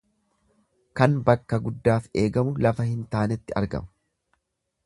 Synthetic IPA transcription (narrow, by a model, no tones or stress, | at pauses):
kɐnbɐkːɐɡʊd̪ːaːfe̞ːɡɐmʊlɐfɐhɪnt̪aːnɛt̪ːɪɐ̰ɾɡɐ̰mʊ̥